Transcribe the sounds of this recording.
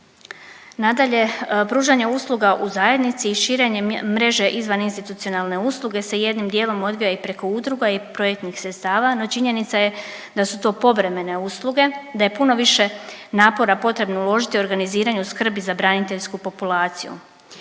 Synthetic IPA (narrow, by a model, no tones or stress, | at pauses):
nad̪aʎe̞pɾuːʒaɲeuslˠuɡaʔuzaje̞d̪nit̪siːʃiːɾe̞ɲe̞mɾe̞ʒe̞ʔizʋaninst̪it̪ut̪sio̞nalne̞uslˠuɡe̞se̞je̞d̪nimd̪jeːlo̞mo̞d̪ʋijaipɾe̞ko̞ud̪ɾuɡaipɾo̞jek̚t̪nixsɾet̪st̪aːʋano̞t͡ʃiɲe̞nit̪saje̞ | d̪asut̪o̞ːpo̞ʋɾe̞me̞ne̞usluɡe̞d̪aje̞puno̞ʋiʃe̞naːpo̞ɾapo̞t̪ɾe̞bnoulˠo̞ʒit̪io̞ɾɡaniziːɾaɲuskr̩bizabɾanit̪e̞ʎskupo̞pulˠaːt̪sijṵ